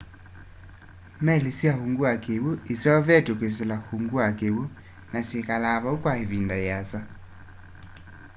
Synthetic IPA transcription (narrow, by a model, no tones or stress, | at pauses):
mɛlisjahuŋɡuakewuesjɔvɛtokwes̬elahuŋɡuakewu | nasjekalaβaukwaeβindajasa